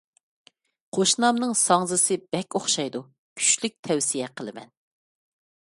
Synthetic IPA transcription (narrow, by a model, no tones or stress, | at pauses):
qʰoʃnɑmnɨŋsɑŋzɨsɨbɛkʲoχʃɑjd̪u | kʲʰy̥t͡ʃlyk̚ʲt̪ʰɛwsijɛqʰəlˠɨmɛ̰n